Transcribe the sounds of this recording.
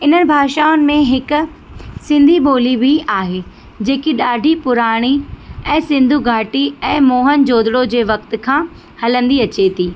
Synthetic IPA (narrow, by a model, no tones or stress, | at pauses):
ɪn̤ənɪ̆bʱaːʃaːʊnɪ̆mẽɦɪkʊ̆ | sɪ̃nd̪ʱiɓoːlibʱiaːɦeː | d͡ʑeːkiɗaːɖʱipʊɾaːɽ̃iɛ̃ːsɪ̃nd̪ʱuɡʱaːʈiɛ̃ːmoːɦənd͡ʑoːd̪ɽod͡ʑeːʋɐkt̪̆kʰãː | hɐlə̃nd̪iɐt͡ɕet̪ʰiː